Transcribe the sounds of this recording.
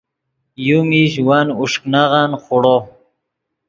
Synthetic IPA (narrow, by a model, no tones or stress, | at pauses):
jumiɕ̬wanuʂknaʁanχuɽo